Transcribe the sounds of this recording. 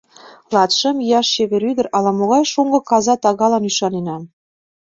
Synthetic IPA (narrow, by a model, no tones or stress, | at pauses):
lɑt̪ʃə̆mjɑʃːeβeɾyd̪ə̆ɾʔɑlɑmoɣɑjʃoŋɡɤ̆kɑzɑt̪ɑɣɑlɑnyʃɑnenɑm